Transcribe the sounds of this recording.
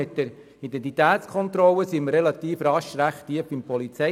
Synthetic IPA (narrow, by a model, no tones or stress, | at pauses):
ɪt̪̚d̥ɛɾ | idɛnt̪̬it̪æːtt͡skʰɔnt̪ɾɔlːəsimərɾɛlɑt̪iːfrɑʃɾæχtːiəfɪmpɔlit͡sɛ